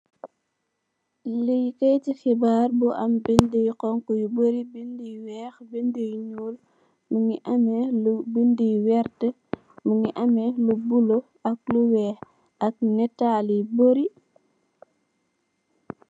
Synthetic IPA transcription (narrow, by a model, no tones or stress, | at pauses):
lijkɛjtixibaːɾbuʔɐmbindəjqɔŋkujuboɾibindijwɛːxbindəjɲuːl | muŋiʔɐmɛlubindijwɛɾtə | muŋiʔɐmɛlubulo | ɐk̚luwɛːx | ɐk̚nɛtːaliboɾi